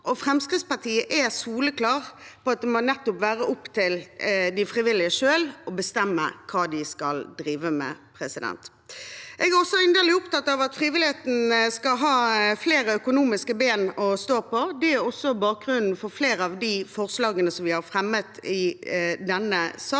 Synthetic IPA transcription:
ʔɔfɾɛmskʁɪt̪spɑʁt̪ʰiːəʔɛsuːləkʰlɑːɾpʰɔɑt̪̚d̪ɛmɔnɛt̪ːʊpʋæːɾəʔʊpt̪ʰɪld̪ɪfɾɪʋɪlːɪəʂøːlɔbəst̪ɛmːə̰kʰɑːd̪ɪskɑld̪ɾiːʋəmɛ̰pʰɾɛsɪd̪ɛ̰nt̪ | ʔɛɡæɾɔsɔɪnd̪əlɪʊpt̪ɑt̪ːɑʋɑt̪fɾiːʋɪlɪheːt̪n̩skɑlɦɑːfleːɾəœkʊnuːmɪskəbeːnɔst̪oːpʰɔd̪ɛæɾɔsːɔbɑːk̚ɡɾʉnn̩fɔɾfleːɾəɑʋd̪ɪfɔʁslɑːɡənəsɔmʋɪhɑɾfɾɛmːət̪ɪd̪ɛnːəsɑː

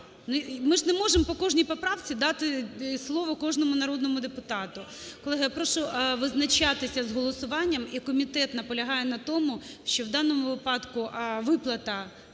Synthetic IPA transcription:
nʊmɪʐnɛmɔʐempɔkɔʒnʲijpɔpɾɑʋt͡sʲid̪ɑt̪ɪslˠɔʋɔkɔʒnɔmʊnɐɾɔd̪nɔmʊd̪epʊt̪ɑt̪ʊkɔlˠɛɦɐjapɾɔʃʊʋɪznɐt͡ʃɑt̪ɪsʲɐzɦɔlˠɔsʊʋɑnʲːɐmikɔmʲit̪ɛt̪nɐpɔlʲɐɦɑjɛnɐt̪ɔmʊ | ʃt͡ʃɔʋd̪ɑnɔmʊʋɪpɑd̪kʊʋɪplˠɐt̪ɐ

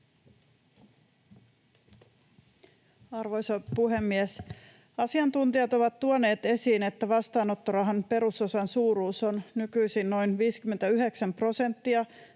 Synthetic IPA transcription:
ɑrʋo̞jsɑpuɦe̞mːies | ɑsiɑnt̪unt̪iɑt̪o̞ʋɑt̪tuone̞ːt̪e̞siːne̞t̪ːæʋɑst̪ɑːno̞t̪ːoɾɑɦɑnpe̞ɾuso̞sɑnsuːɾuːso̞nnykyjsinno̞jnʋiːskymːent̪æyɦe̞ksæmpro̞se̞nt̪ːiɑ

